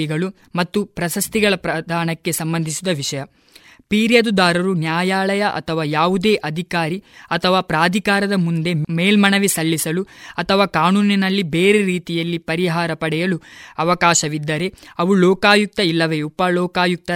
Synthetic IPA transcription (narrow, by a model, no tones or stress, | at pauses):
iɡɐɭu | mɐt̪ːupɾɐsɐst̪iɡɐɭɐpɾɐd̪ʱaːɳɐkːe̞sɐmbɐnd̪ʱisid̪ɐʋiʂɐjɐ | piːɾjɐd̪ud̪aːɾɐɾunjaːjaːɭɐjɐʔɐ̰t̪ʰɐʋaːjaːʋud̪e̞ːʔɐd̪ʱikaːɾiɐt̪ʰɐʋaːpɾaːd̪ʱikaːɾɐd̪ɐmund̪e̞meːlmɐɳɐʋisɐlːisɐluɐt̪ʰɐʋaːkaːnuːninɐlːibeːɾe̞ɾiːt̪ijɐlːipɐɾiɦaːɾɐpɐɽɛjɐluɐʋɐkaːʃɐʋid̪ːɐɾe̞ɐʋulɔːkaːjuk̚t̪ɐilːɐʋe̞upɐlɔːkaːjuk̚t̪ɐ